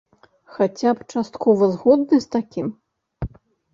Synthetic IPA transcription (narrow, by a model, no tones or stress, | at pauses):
xat͡sʲapt͡ʂast̪kʰɔvɐzɣɔd̪̚nɨst̪akʲim